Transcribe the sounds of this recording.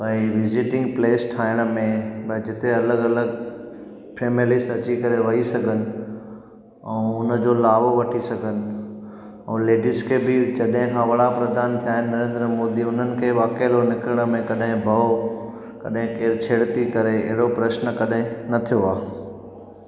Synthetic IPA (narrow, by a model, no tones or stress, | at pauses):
bɐiʋɪzɪʈɪ̃ŋɡ̚pleːsʈʰaːɪɽ̃ə̆mẽbɐ̃d͡ʑɪt̪eɐləɡɐləɡ | pʰeːmɪlɪsʈɐt͡ɕikɐɾeʋɐisɐɡʱənɪ̆ | ɛ̰̃ːʊnəd͡ʑoːlaːʋoʋɐʈʰisɐɡʱənɪ̆ | ɛ̰̃ːleːɖɪskʰebʱɪd͡ʑɐɗɦɪ̃kʰãːʋɐɽapɾɐd̪ʱaːnt̪ʰijaːɦɪnːɐɾẽːnd̪ɾəmoːd̪iʊn̤ənɪ̆kʰeːʋaːkelonɪkɾəɽ̃ə̆mẽkɐɗɦɪ̃bʱɐo | kɐɗɦɪ̃keːɾt͡ɕʰeːɽt̪ikɐɾeɐ̰ɦɪɽopɾɐʃnə̆kɐɗɦɪ̃nɐt̪ʰijoaː